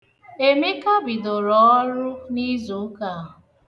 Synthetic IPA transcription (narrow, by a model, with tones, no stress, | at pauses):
e˦me˦ka˦bi˨dʊ˨ɾɔ˨˦ɔ˦ɾʊ˦ni˦zo˨˦ka˦˨ɦʊ˨